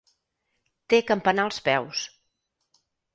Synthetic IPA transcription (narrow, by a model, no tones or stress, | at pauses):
t̪ekəmpənalˠspɛws